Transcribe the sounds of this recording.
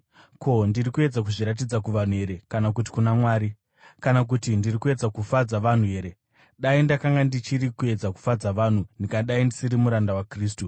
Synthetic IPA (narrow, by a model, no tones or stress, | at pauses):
ko̞ndiɾikue̞d͡zak̬uʐiɾat̬id͡zakuʋan̤uɦe̞ɾe̞kanakuti̥kunamwaːɾi | kanak̬utindirikue̞d͡zakufad͡zaʋan̤uɦe̞ːɾe | ɗaindakaŋɡandit͡ʃiɾikue̞d͡zaku̥fad͡zaʋan̤unikaɗaindisiɾimuɾandawakriːstu